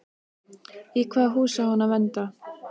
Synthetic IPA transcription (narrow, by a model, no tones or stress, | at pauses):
ikʰvaːɦuːsahɔnavɛnt̪a